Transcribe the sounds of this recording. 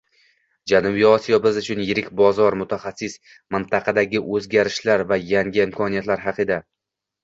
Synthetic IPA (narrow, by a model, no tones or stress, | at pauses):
d͡ʒanʊbiɒsijɒbɪzʊt͡ʃʰʊnjɪɾɪkʲbɒzɒɾmʊt̪ʰaχasːɪs | mɪnt̪ʰɑqʰɑd̪aɡʲɪʔɵzɡʲaɾɪʃlaɾvajaŋɡʲɪɪmkʰɒnijat̪laɾɦɑqʰɨd̪a